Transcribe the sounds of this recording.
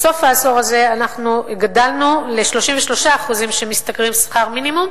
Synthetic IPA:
so̞faːso̞ʁaze̞anaχnuɡadalnuleʃlo̞ʃimveʃlo̞ʃaːχuzimʃe̞mist̪akʁimsχaʁminimum

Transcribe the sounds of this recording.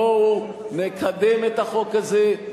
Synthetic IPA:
ou | nekʰad̪emet̪aχo̞kaze

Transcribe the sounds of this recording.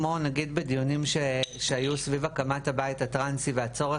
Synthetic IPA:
monaɡid̪be̞dijunimʃeʃeajusvivakamathabaithatʁansiveat͡so̞ʁe

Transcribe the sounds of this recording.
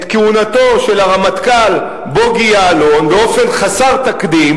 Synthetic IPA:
t̪keunat̪o̞ʃe̞laʁamat̪kal | boɡijaːlo̞nbeo̞fe̞nχasaʁt̪akd̪im

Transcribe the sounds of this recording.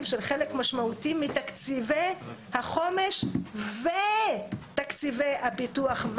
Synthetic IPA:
vʃelχelekmaʃmaut̪imit̪akt͡sivejhaχo̞meʃvet̪akt͡sivejhabituaχv

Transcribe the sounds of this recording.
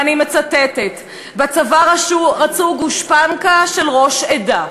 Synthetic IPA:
animet͡satetet | bat͡savaʁaʃuʁat͡suɡuʃpankaʃelʁo̞ʃeda

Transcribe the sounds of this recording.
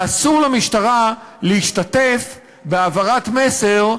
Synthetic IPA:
asuʁlamiʃtaʁaleiʃtate̞f | beavaʁatme̞seʁ

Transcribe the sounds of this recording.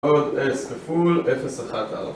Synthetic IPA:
ɔdɛskəfulɛfəsaχatʰa̰l̰

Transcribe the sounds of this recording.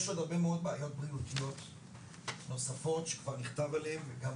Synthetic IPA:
eʃodaʁbe̞meo̞d̪̚beajo̞t̪̚bʁiutijo̞t | no̞safo̞tʃekvaʁniχtavalemveɡam

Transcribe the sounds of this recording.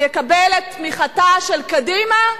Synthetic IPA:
jekabelet̪miχataʃelkadima

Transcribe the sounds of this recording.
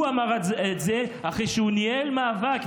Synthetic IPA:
uamaʁetzeaχeʃeunielmaːvak

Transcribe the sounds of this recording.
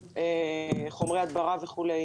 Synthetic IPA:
eχomʁead̪baʁaveχule

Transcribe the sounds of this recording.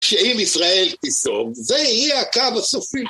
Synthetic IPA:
ʃeimisʁae̞lt̪isovveijɛakabasofim

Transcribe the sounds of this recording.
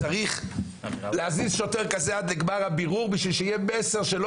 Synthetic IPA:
aʁiχ | leazisʃot̪eʁkazead̪leɡbaʁhabiʁuʁbiʃvilʃejebeseʁʃelo

